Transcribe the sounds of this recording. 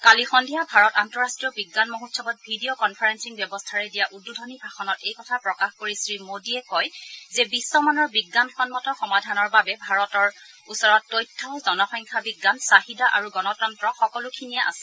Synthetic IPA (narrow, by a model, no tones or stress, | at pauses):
kalixɔndʱijabʱaɹɔtantɔɹastɹijɔbiɡːanmoɦutsʰɔbɔt̚bʱidiokɔnpʰaɹensiŋbjɔbɔstʰaɹɛdijaʔududʱɔnibʱaxɔnɔtejkɔtʰapɹɔkaxkoɹisɹimodiɛkɔjzɛbisːɔmanɔɹbiɡːanxɔnmɔtɔxɔmadʱanɔɹbabɛbʱaɹɔtɔɹ | usɔɹɔtːojtʰːɔzɔnɔxɔŋkʰabiɡːansaɦidaʔaɹuɡɔnɔtɔntɹɔxɔkɔlukʰinijaʔa̰sɛ̥